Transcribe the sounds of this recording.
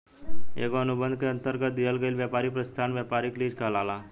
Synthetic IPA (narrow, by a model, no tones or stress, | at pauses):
ḛːɡoənubə̃nd̪keə̃nt̪əɾɡət̪̚d̪ijəlɡəilʋjapaːɾipɾəst̪ʰanʋjapaɾikliːd͡ʒkəlala